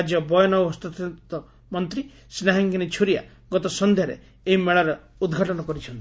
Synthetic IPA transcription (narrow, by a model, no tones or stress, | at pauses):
d͡ʒjɔbɔjɔnɔɦɔst̪ut̪ʰit̪ɔ | mɔnt̪ɾi | snaɦaŋkinet͡ʃʰuɾija̰ | ɡɔt̪ɔsɔnd̪ʱjaɾḛ | eɦimeɭaɾɔ | ud̪ɡʱaʈɔnɔkɔɾit͡ʃʰɔnt̪i